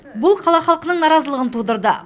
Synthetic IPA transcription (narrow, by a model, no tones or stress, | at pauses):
bʊlˠqʰɑlˠɑχɑlˠqənəɴnɑɾɑzəlˠəʁənt̪ʰud̪əɾd̪ə